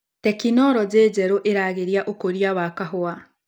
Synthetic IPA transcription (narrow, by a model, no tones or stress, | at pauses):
tɛkinɔɾɔd͡ʑeːd͡ʑɛɾoʔeɾaːɣeɾiaʔokoɾiawakaɦoa